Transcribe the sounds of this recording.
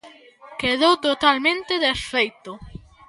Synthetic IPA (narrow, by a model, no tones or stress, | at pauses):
keðowt̪ot̪almẽnt̪eðesfejt̪ʊ